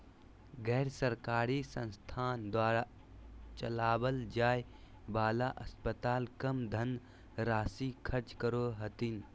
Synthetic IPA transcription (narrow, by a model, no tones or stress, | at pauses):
ɡɛːɾsəɾkaːɾisə̰̃nst̪ʰaːnd̪waːɾa | t͡ʃəlaːbəld͡ʒaːj | baːlaʔɐspət̪aːlkɐmd̪ʱən | ɾaːsikʰəɾt͡ʃkəɾoɦət̪in